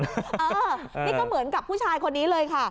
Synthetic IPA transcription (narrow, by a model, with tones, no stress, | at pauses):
ʔəː˧˩ | niː˦˥˩kɔː˥˩mɯ˩˦ənka˨˩p̚ʰːuː˥˩t͡ɕʰaː˧jkʰo˧nːiː˦˥lɤː˧jkʰa˥˩